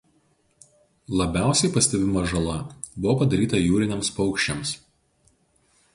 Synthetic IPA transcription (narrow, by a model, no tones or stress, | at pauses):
lˠɐbʲæˑʊsʲɛɪpɐsʲt̪ʲɛbʲɪmoːʒɐlˠɐbʊʋopɐd̪ɐɾʲiːt̪ɐjuːɾʲɪnʲɛmspɒʊkʃʲt͡ʃʲɛms